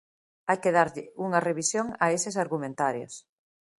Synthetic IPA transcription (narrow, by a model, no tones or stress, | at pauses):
ajkeðaɾʎɪuŋɐreβ̞isjoŋaesesaɾɣumẽnt̪aɾjo̰s